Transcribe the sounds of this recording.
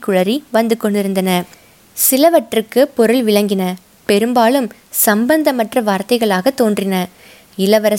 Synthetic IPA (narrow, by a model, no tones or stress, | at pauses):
kːɯɻɐɾiʋɐnd̪ɯkːɔɳɖɪɾɯnd̪ɐnɐ | sɪlɐʋɐʈrɯkːɯpɔɾɯɭʋɪɭɐŋɡɪnɐ | pɛɾɯmbaːlɯm | sɐmbɐnd̪ɐmɐʈrɐʋaːɾt̪ɐɪɣɐɭaːɣɐt̪ːoːndrɪnɐ | ɪlɐʋɐɾɐ